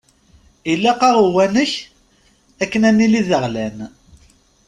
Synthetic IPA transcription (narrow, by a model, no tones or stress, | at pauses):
ilːæqɑʁəwænəç | ækːənænːiliðəʁlæn